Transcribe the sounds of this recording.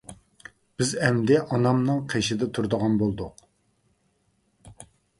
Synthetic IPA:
b̥ɪzɛmd̪ɛʔɑnɑmnɨŋqʰeʃɪd̪ɛt̪ʰuɾd̪əʁɑnbolˠd̪ʊq

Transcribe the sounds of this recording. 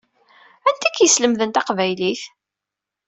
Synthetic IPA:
ænt̪ækjəsləmðənt̪ɑqvæjliθ

